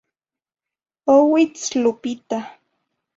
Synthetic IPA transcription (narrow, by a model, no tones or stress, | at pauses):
owɪt͡slʊpɪt̪a